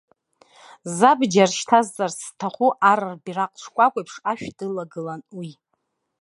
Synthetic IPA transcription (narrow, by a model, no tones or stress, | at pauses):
zabd͡ʒarʃtʰazːarstʰaχʷuʔaɾarbiraqʼʈ͡ʂʷʰkʷʼakʷʼajpʰʂaʃᶣdɨlaɡɨlanwi